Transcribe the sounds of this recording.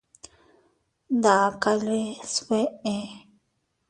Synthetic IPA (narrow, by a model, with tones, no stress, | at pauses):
nd̪a˨ka˦le˦swe˦ʔe˦